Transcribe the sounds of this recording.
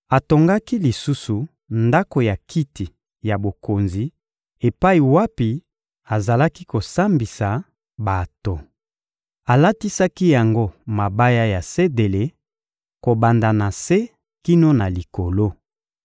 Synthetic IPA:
a˨to˨ŋɡa˦ki˦li˨su˦su˨ | nda˦ko˨ja˨ki˦ti˨ | ja˨bo˨ko˨nzi˨ | e˨pa˦i˨wa˦pi˨ | a˨za˨la˦ki˦ko˨sa˦mbi˨sa˨ | ba˨to˨ | a˨la˦ti˦sa˦ki˦ja˨ŋɡo˦ma˨ba˦ja˦ja˨se˦de˨le˨ | ko˨ba˨nda˨na˨se˦ | ki˦no˦na˨li˨ko˨lo˦

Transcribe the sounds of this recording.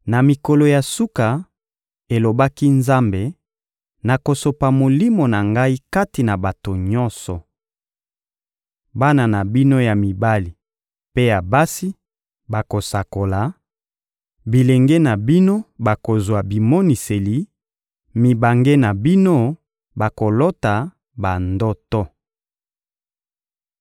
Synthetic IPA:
na˨mi˨ko˨lo˨ja˨su˦ka˨ | e˨lo˨ba˦ki˦nza˦mbe˨ | na˨ko˨so˨pa˨mo˨li˦mo˨na˨ŋɡa˦i˦ka˦ti˨na˨ba˨to˨ɲɔ˦nsɔ˨ | ba˦na˨na˨bi˦no˦ja˨mi˨ba˦li˨ | pe˦ja˨ba˦si˦ | ba˨ko˨sa˨ko˨la˨ | bi˨le˨ŋɡe˦na˨bi˦no˦ba˨ko˨zwa˨bi˨mo˦ni˨se˨li˨ | mi˨ba˨ŋɡe˦na˨bi˦no˦ | ba˨ko˨lo˦ta˨ | ba˨ndɔ˦tɔ˦

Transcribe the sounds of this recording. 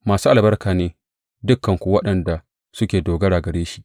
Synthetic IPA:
maː˨suː˦ʔa˨bɐ˦rkaː˨neː˦ | dʊ˦kːɐ˨ŋkʷu˨wɐ˦ɗɐ˨nda˨ | sʊ˦kʲeː˨doː˨ɡɐ˦ɽaː˨ɡɐ˨ɽeː˦ʃi˦ʔ

